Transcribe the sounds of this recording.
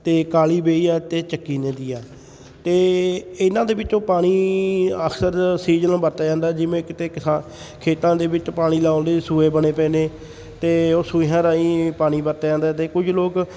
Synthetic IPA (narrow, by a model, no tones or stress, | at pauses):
t̪eːkaːliːbeːiːɛːt̪eːt͡ʃəkːiːnẽːd̪iːɛː | t̪eːɪnãːd̪eːbɪt͡ʃõːpaːɽ̃iːəkʰsəɾsiːd͡ʒəñːbəɾt̪aːd͡ʒãːnd̪aːɛːd͡ʒɪʋẽːkɪt̪eːksa | kʰeːt̪ãːd̪eːbɪt͡ʃpaːɽ̃iːlaːoːnd̪eːsuːeːbəɽ̃eːpɛ̃ːneː | t̪eːoːsuːẽɦãːɾaːiːpaːɽ̃iːbəɾt̪aːd͡ʒãːnd̪aɦɛːt̪eːkʊd͡ʒloːk